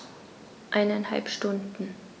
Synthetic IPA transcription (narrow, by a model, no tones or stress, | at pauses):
ʔaɪnanha̰lpʃtʊndn̩